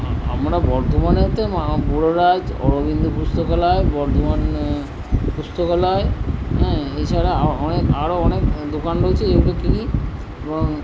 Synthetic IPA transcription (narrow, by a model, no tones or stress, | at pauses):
a̰mɾabɔɾt̪ʰomanet̪emabuɽoɾad͡ʑɔ̰ɽobind̪upust̪okɔlaebɔɾt̪ʰoman | pust̪okɔlaeɦɛ̃ɦet͡ɕʰaɾaaɔnekaɾoɔnekd̪okanɾoet͡ɕʰed͡ʑebulekini | ebɔŋ